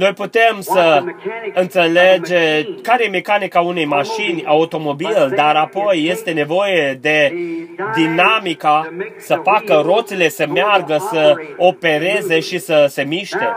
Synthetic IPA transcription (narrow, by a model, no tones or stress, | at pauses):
no̞jput̪e̞msəɨnt̪se̞le̞d͡ʒe̞kaɾejeme̞kanikaune̞jmaʃinʲaut̪o̞mo̞bild̪aɾapo̞jːe̞st̪e̞ne̞vo̞jed̪e̞d̪inamikasəfakəɾo̞t̪sile̞səmearɡəsəope̞ɾe̞ze̞ʃisəse̞miʃt̪e